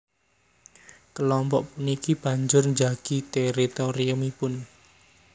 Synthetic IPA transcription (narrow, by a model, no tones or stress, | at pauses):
kəlɔmpɔʔpunikib̥ä̤ɲd͡ʒʊrnd͡ʒaɡ̥i̤t̪ɛɾit̪oɾiʊmipʊn